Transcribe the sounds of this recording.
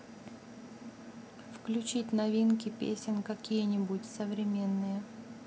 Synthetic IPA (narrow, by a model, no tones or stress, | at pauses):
fklʲʉt͡ɕitʲnɐvʲinkʲɪpʲḛsʲɪnkɐkʲijənʲɪbʊtʲsəvɾʲɪmʲe̞nːɨjə